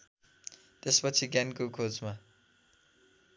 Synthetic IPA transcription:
t̪espʌt͡sʰiɡankokʰod͡zma

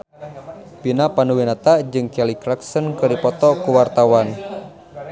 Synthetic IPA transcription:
pinapanuwinat̪ad͡ʒɨŋkɛlikɾaksənkərdipɔt̪ɔkuwart̪awan

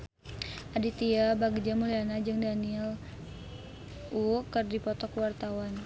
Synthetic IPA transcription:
ʔadit̪iabaɡd͡ʒamulianad͡ʒɨŋdaniɛl | ukɨrdipɔt̪ɔkwart̪awan

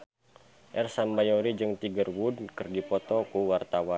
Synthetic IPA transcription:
ʔɛrsambajoɾid͡ʒɨŋt̪iɡərwudkɨrdipɔt̪ɔkuwart̪awan

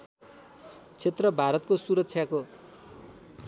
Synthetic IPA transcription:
t͡sʰet̪rʌbʱaɾʌt̪̚kosuɾʌk̚t͡sʰjako

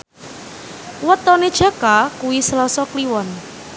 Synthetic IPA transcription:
wət̪ɔned̥ʒ̥a̤kakuwislɔsɔkliwɔn

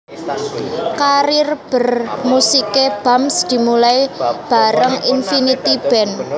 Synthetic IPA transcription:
kaɾɪrb̥ə̤rmusikeb̥amsd̪̥i̤mulaib̥a̤ɾəŋinfinit̪ib̥ɛ̤n

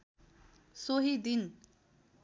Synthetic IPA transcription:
soɦid̪in

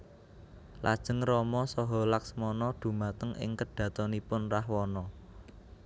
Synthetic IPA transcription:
la̰d̥ʒ̥ə̤ŋrɔmɔsɔɦɔ̤laksmɔnɔɖ̪̥ṳmat̪əŋɪ̰ŋkəɖ̥ä̤t̪ɔnipʊnrahwɔnɔ

